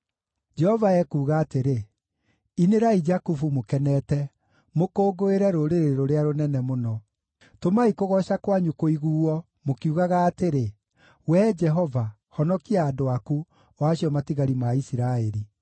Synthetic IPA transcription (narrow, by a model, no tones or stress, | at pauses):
d͡ʒɛhɔvaɛkuːɣaːteɾe | ineɾaid͡ʒakufumokɛnɛtɛ | mokoːɡoeɾɛɾoɾeɾeɾoɾeaɾonɛnɛmonɔ | tomaikoɣɔʃakwaɲukoiɣuːɔ | mokiuɣaɣaːteɾe | wɛd͡ʒɛɦɔva | hɔnɔkiaːdoaku | waːɕjɔmatiɣaɾimaisiɾaeɾi